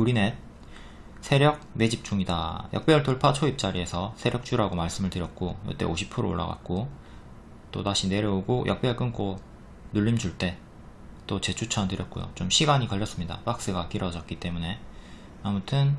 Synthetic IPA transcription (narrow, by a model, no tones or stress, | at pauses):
uɾine̞t̚ | sʰe̞ɾjʌk̚me̞d͡ʑip̚t͡ɕ͈uŋida̰jʔʌ̰k̚p͈jeɯɭtoɭpʰat͡ɕʰoip̚t͡ɕ͈aɾie̞sʰʌsʰe̞ɾjʌk̚t͡ɕ͈uɾaɡomaɭs͈ɯmɯɭtɯɾjʌt̚k͈ojʌ̰t͈e̞̰oɕʰi̥pʰuɾoo̰ɭːa̰ɡa̰t̚k͈o | t͈o̰taɕʰine̞ɾjʌoɡojʔʌk̚p͈eɭk͈ɯnk͈o | nuʎːimd͡ʑuɭt͈e̞ | t͈ot͡ɕe̞t͡ɕʰut͡ɕʰʌntɯɾjʌt̚k͈ojo̰t͡ɕomɕʰiɡaɲikʌʎːʌs͈ɯmɲida̰pak̚s͈ɯɡak͈iɾʌd͡ʑʌt̚k͈it͈e̞mune̞ | amutʰɯn